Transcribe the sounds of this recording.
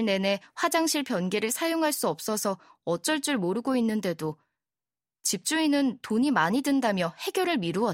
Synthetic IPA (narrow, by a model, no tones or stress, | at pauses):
ne̞ne̞ɸwad͡ʑaŋɕʰiɭpjʌnɡeɾɯɭsʰajoŋɦaɭs͈uʌp̚s͈ʌsʰʌʌt͡ɕ͈ʌɭt͡ɕ͈uɭmoɾɯɡoinːɯnde̞do | t͡ɕip̚t͡ɕ͈uinɯntoɲimaɲidɯndamjʌhe̞ɡjʌɾɯɭmiɾuʌ